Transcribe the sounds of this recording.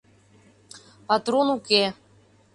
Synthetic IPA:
pat̪ɾonuke

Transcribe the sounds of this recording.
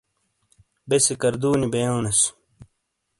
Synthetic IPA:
besekɐɾd̪uːnibejoːnɐs

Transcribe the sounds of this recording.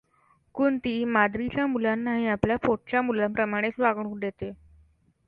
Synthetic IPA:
kuːɳt̪iːmad̪ɾit͡ɕjamulanːaɦiapljafoʈ̚t͡ɕamulapɾəmaɽ̃et͡sʋaɡɳuːɖet̪e

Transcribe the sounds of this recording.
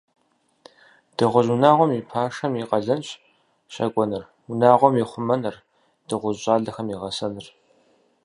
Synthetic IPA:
d̥ɨʁʷʊʑunaːʁʷɔmipʰaːʂɐmiːqʼɐɮɐnɕʼ | ɕɐ̰kʷʼɔnɨr | wʊnaːʁʷɔmjiχʷʊmɐnɨr | d̥ɨʁʷʊzɕʼaːɮɐxɐmiːʁɐsɐnɨr

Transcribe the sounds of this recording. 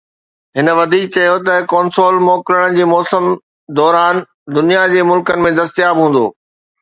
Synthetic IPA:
ɦɪnə̆ʋɐd̪ʱiːk̚t͡ɕɐjot̪ɐkɔːnsoːlmɔːkɾəɽ̃̆d͡ʑeːmɔːsəm | d̪ɔːɾaːn | d̪ʊnijad͡ʑeːmʊlkənɪ̆mẽd̪ɐst̪jaːbɦũːn̆d̪o̰ː

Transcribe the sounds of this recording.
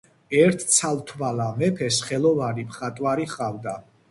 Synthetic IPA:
ɛɾt̪ʰt̪sʰalt̪ʰvalamɛpʰɛsχɛlɔvanipʰχat̪ʼwaɾiχald̪a

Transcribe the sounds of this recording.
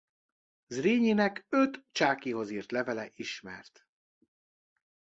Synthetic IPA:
zreːɲinɛkøt̪t͡ʃaːkiɦo̞ziːrt̪lɛvɛlɛʔiʃmɛ̰rt̪

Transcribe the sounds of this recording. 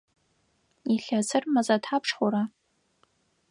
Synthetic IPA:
iɬat͡sʰɨrmɐzatʰapʰʂχʷʊɾa

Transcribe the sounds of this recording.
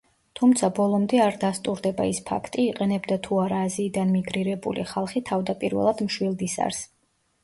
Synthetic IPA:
t̪ʰumt̪sʰabɔlˠɔmd̪ɛaɾd̪ast̪ʼuɾd̪ɛba̰ispʰa̰kʰt̪ʼiːqʼɛnɛbd̪at̪ʰuaɾaːziːd̪anmiɡɾiɾɛbṵlḭχalˠχit̪ʰavd̪apʼiɾvɛ̰lˠad̪mʃwilˠd̪isa̰ɾs

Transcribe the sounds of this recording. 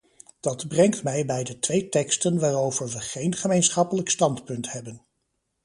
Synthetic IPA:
d̥ɑdbrɛŋk̚tmɛjbɛjdətʋejtɛkstənʋaːrowvəɹʋəχejnχəmejnsχɑpələkstɑntpɵntɦɛbən

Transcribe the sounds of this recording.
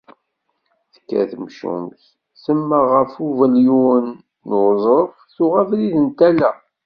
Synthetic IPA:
θə̥kːæ̰θəmʃṵmθ | səmːæʁəfuvæljunː | ozˤəɾfθʊʁævliðənt̪ælæ

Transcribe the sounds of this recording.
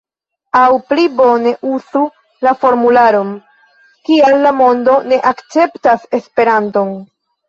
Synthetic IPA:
awplibo̞ne̞ʔuzu | lafo̞ɾmulaɾo̞n | kialːamo̞ndo̞ne̞ʔakt͡se̞ptase̞spe̞ɾanto̞n

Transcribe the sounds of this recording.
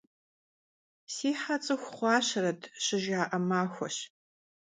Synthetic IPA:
siːħat͡sʼɨxʷχʷɑːɕɐɾɐtʰɕɪʒaːʔɐmaːxʷɔ̰ɕ

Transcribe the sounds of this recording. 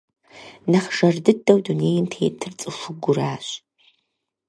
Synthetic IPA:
nɐχʒ̥ɐrdɨdʼːɐwduneːjɪmtʰeːtʰɨrt͡sʼɨʂʊɡʷʊraːɕ

